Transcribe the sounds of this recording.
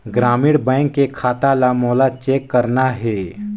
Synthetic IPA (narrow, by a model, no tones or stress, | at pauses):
ɡɾaːmɪːɽbɛ̃ːŋkːekʰaːt̪alamoːlat͡ʃeːkːəɾnaɦɛː